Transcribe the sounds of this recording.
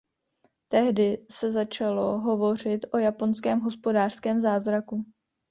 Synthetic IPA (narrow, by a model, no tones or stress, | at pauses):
t̪ɛɦdɪsɛzat͡ʃalo̞ɦo̞vo̞r̝ɪt̪ʔo̞japo̞nskɛːmɦo̞spodaːr̥skɛːmzaːzɾaku